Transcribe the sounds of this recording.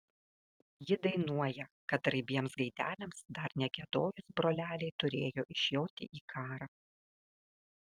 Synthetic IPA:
jɪd̪ɐɪnuɔjɛkɐt̪ɾɐɪbʲiɛmsɡɐɪd̪ʲæ̰ːlʲɛmsd̪ɐɾnʲɛɡʲɛd̪oːjʊsbɾoːlʲæːlʲɛɪt̪ʊɾʲeːjoːʔɪʃʲjoːt̪ʲɪ̰ʔiːkʰɑːɾɑ

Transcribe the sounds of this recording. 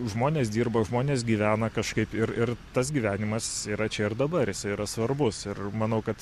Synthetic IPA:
ʒmoːnʲeːsd̪ʲiːrbɐʒmoːnʲeːs̬ɡʲiːʋʲæːnɐkɐʃkɐɪpɪɾɪrt̪ɐsɡʲiːʋʲæːnʲɪmɐsiːɾɐt͡ʃʲɛɪrd̪ɐbɐɾjɪsɐɪiɾɐsʋɐɾbʊsɪrmɐnɐʊkɐt̪

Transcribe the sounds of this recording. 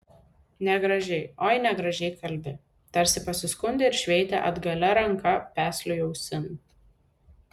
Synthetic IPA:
nʲɛɡɾɐʒʲɛɪoːɪnʲɛɡɾɐʒʲɛɪkɐlʲbʲɪ | t̪ɐɾʲsʲɪpɐsʲɪskʊnʲd̪ʲɪɪɾʃʲʋʲɛɪt̪ʲɛ̰ʔɐ̰d̪ɡɐlʲɛɾɐŋˑkɐpʲæːsʲlʲʊjɛʊsʲɪn

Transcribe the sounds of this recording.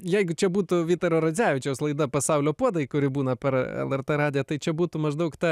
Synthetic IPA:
jɛɪɡʊt͡ʃʲɛbuːt̪ʊʋʲiːt̪oːɾoːɾɐzʲæːʋʲɪt͡ʃʲɛʊslˠɐɪd̪ɐpɐsɑʊlʲoːpuɔd̪ɐɪkʊɾʲɪbuːnɐpʲɛɾɛ̰lˠɛrt̪eɾɑːd̪ʲɪjɛːt̪ɐɪt͡ʃʲɛbuːt̪ʊmɐʒd̪ɐʊkt̪ɐ

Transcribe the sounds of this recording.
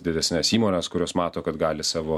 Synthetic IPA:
d̪ʲɪd̪ʲɛsʲnʲɛsiːmoːnʲɛskʊɾʲoːsmɑːt̪oːkɐt̪ɡɑːlʲɪsɑːʋoː

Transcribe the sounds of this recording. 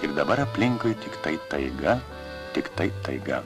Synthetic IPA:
ɪɾd̪ɐbɐɾɐpʲlʲɪŋkojt̪ʲɪkt̪ɐɪt̪ɐɪɡɐ | t̪ʲɪkt̪ɐɪt̪ɐɪɡɐ̰

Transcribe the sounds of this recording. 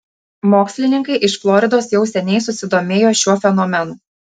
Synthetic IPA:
moːksʲlʲɪnʲɪŋkɐɪʔɪʃflˠɔɾʲɪd̪oːsjɛʊsʲɛnʲɛɪs̬ʊsʲɪd̪oːmʲeːjoːʃʲuɔfʲɛnɔmʲɛnuː

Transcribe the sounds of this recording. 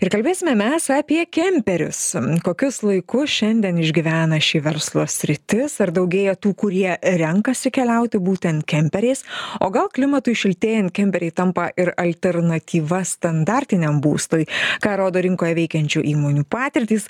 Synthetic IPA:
ɪɾkɐlʲbʲeːsʲɪmʲɛmʲɛsɑːpʲiɛkʲɛmʲpʲɛɾʲʊ̰skoːkʲʊslˠɐɪkʊsʃʲɛnʲd̪ʲiɛnɪʒʲɡʲɪʋʲæːnɐʃʲiʋʲɛɾslˠoːsʲɾʲɪt̪ʲɪsɐɾd̪ɐʊɡʲeːjɛt̪uːkʊɾʲiɛɾʲɛŋkɐsʲɪkʲɛlʲɛʊt̪ʲɪbuːt̪ʲɛnt̪kʲɛmʲpʲɛɾʲɛɪsoːɡɐlˠklʲɪmɐt̪uɪʃʲɪlʲt̪ʲeːjɛnt̪kʲɛmʲpʲɛɾʲɛɪt̪ɐmpɐʔɪɾɐlʲt̪ʲɛɾnɐt̪ʲiːʋɐst̪ɐnd̪ɑːɾʲt̪ʲɪnʲɛmbṵːst̪oːjkɑːɾoːd̪oːɾʲɪŋkoːjɛʋʲɛɪkʲɛnʲt͡ʃʲuːʔiːmoːnʲuːpɑːt̪ʲɪɾʲt̪ʲiːs

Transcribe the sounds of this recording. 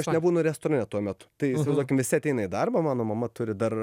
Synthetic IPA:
ɐʃnʲɛbuːnʊɾʲɛst̪oːɾɐnʲɛt̪uɔmʲɛt̪ʊ̥t̪ɐɪɪsʋɪzd̪uɔkʲɪmʋʲɪsʲɪɐt̪ʲɛɪnɐid̪ɐrbɐmɑːnoːmɐmɐt̪ʊɾʲɪd̪ɐr

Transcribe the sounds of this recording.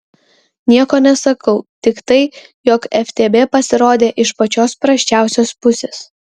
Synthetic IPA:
nʲiɛkoːnʲɛsɐkɐʊt̪ʲɪkt̪ɐɪjɔːkɛfʲt̪ʲeːbʲeːpɐsʲɪɾoːd̪ʲeːʔɪʃpɐt͡ʃʲoːspɾɐʃʲt͡ʃʲæˑʊsʲoːspʊsʲeːs

